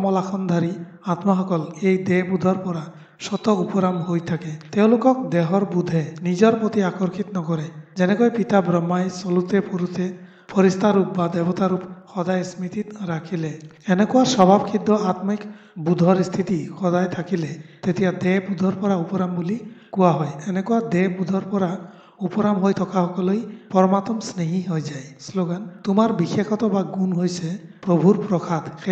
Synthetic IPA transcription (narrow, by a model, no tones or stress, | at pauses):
mɔlakʰɔnd̪ʱaɾi | at̪maɦɔkɔlejd̪ebud̪ʱɔɾpɔɾa | sɔt̪ɔupɔɾamɦojt̪ʰaket̪ew̃lokɔk̚d̪eɦɔɾbud̪ʱenid͡ʒɔɾpɾot̪iakɔɾkʰit̪nɔkɔɾed͡ʒɛnekɔjpit̪abɾɔmːajsɔlut̪epʰɔɾut̪ʰe | pʰɔɾist̪ʰaɾup̚bad̪ɛbɔt̪aɾupxɔd̪ajsmit̪it̪ɾakʰile | enekɔaɾsɔbʱabkʰid̪ʱːɔat̪mikbud̪ʱɔɾist̪ʰit̪ixɔd̪ajt̪ʰakilet̪et̪ijad̪ebud̪ʱɔɾpɔɾaupɔɾambulikɔwaɦɔjenekɔad̪ebud̪ʱɔɾpɔɾa | upɔɾamɦojt̪ʰɔkaɦɔkɔlojpɔɾɔmat̪ɔmsneɦiɦojd͡ʒajsloɡant̪umaɾbikekʰɔt̪ɔbaɡunɦojsepɾobʱuɾpɾɔkʰad̪xe